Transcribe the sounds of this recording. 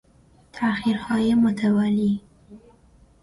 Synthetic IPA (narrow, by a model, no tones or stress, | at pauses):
t̪ʰaxiɾxɑjemʊt̪ʰawɑli